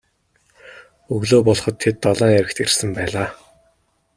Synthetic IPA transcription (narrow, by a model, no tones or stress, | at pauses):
ɵɣɮoːpɔɮχɞ̆t̪ʰːet̪ːɔɮɔːŋæɾɘ̆kt̪ersɘ̆mpæːɮaː